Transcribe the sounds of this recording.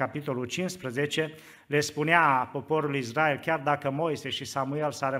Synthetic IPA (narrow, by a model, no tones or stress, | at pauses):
apit̪o̞lult͡ʃinspɾəze̞t͡ʃe̞ | le̞spuneapo̞po̞ɾulisrae̞lkʲard̪akəmo̞jse̞ʃisamue̞lsaɾə